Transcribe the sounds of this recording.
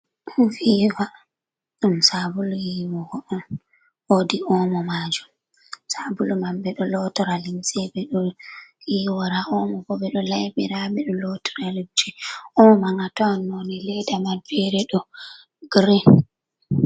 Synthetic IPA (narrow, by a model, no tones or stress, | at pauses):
ɗufiwa | ɗumsabulujimɔɡɔɗɔn | odiʔɔmɔmad͡ʒum | sabulumambɛɗɔlɔtɔɾalimsɛbɛɗɔ | iwaɾaʔɔmɔbɔɓɛɗɔlajbiɾaɓɛɗɔlɔtɔ̥ɾalimt͡ʃɛɔmɔmaŋatɔanːonilɛdamalbɛɾɛɗɔ | ɡɾɛ